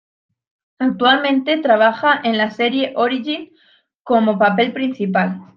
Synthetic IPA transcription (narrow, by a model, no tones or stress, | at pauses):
ak̚t̪walmẽnt̪e̞t̪ɾaβ̞axaʔenlase̞ɾje̞ʔoɾiʝin | ko̞mo̞pape̞lpɾinθipal